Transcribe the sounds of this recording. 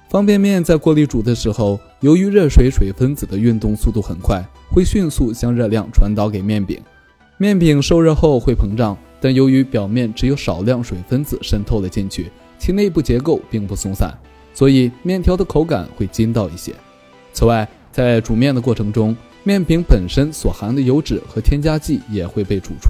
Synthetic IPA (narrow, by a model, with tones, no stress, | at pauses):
fɑ˥ŋpjɛ˥˧nmjɛ˥˧nt͡sa˥˧ɪkwɔ˥˧li˥˩ʈ͡ʂu˨˩d̪ə˧˦ʂɻ̩˧˥xo˥˧ʊ | jo˧˥ʊy˧˥ɻə˥˩ʂwe˧˥ɪʂwe˨˩ɪfə˥nt͡sɹ̩˨˩d̪ə˦y˥˧nt̪ʊ˥˧ŋsu˥˧t̪u˥˩xə˨˩nkʰwa˥˩ɪ | xwe˥˧ɪɕy˥˧nsu˥˩t͡ɕjɑ˥ŋɻɤ˥˧ljɑ˥˩ŋʈ͡ʂʰwa˧˥nt̪ɑ˧˥ʊke˨˩ɪmjɛ˥˩npḭ˨˩˦ŋ | mjɛ˥˩npi˨˩ŋʂo˥˧ʊɻə˥˧xo˥˧ʊxwe˥˩ɪpʰɤ˧˥ŋʈ͡ʂɑ˥˩ŋt̪a˥˩njo˧˥ʊy˧˥pjɑ˨˩ʊmjɛ˥˩nʈ͡ʂɻ̩˧˥jo˧˥ʊʂɑ˨˩ʊljɑ˥˩ŋʂwe˨˩ɪfə˥nd͡zɹ̩˨˩ʂə˥nt̪ʰo˥˩ʊd̪ə˩t͡ɕi˥˧nt͡ɕʰy̰˥˩ | t͡ɕʰi˥ne˥˧ɪp̬u˥˩t͡ɕjɛ˧˥ko˥˧ʊpi˥˧ŋpu˥˩sʊ˥ŋsa̰˥˩˦n | swɔ˧˥i˨˩mjɛ˥˩nt̪ʰjɑ˧˥ʊd̪ə˨kʰo˧˥ʊka̰˨˩nxwe˥˩ɪt͡ɕi˥nt̪ɑ˥˧ʊi˥˩ɕjɛ̰˥ | t͡sʰɹ̩˨˩wa˥˩ɪ | t͡sa˥˩ɪʈ͡ʂu˨˩mjɛ˥˩nd̪ə˩kwɔ˥˩ʈ͡ʂʰɤ˧˥ŋʈ͡ʂʊ˥ŋ | mjɛ˥˩npi˧˥ŋpə˨˩nʂə˥nswɔ˨˩xa˧˥nd̪ə˧jo˧˥ʊʈ͡ʂɻ̩˨˩xɤ˧˥t̪ʰjɛ˥nt͡ɕja˥t͡ɕi˥˩jɛ˨˩xwe˥˧ɪpe˥˩ɪʈ͡ʂṵ˨˩ʈ͡ʂʰu˥